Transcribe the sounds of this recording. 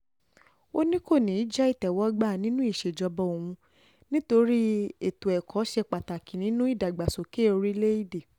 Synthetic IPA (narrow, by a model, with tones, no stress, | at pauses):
o˦nĩ˦ko˦˨nĩ˨˦d͡ʒa˦i˦˨tɛ˨wɔ˦ɡ͡ba˦˨nĩ˦nũ˦i˦˨ʃe˨d͡ʒɔ˧bɔ˧˦o˨wũ˧ | nĩ˦to˧ɾi˦e˦˨to˨ɛ˨kʰɔ˨˦ʃɛ˧k͡pa˨ta˨ki˨nĩ˨˦nũ˦i˦˨da˨ɡ͡ba˨so˨ke˦o˧ɾi˦le˦i˦˨de˨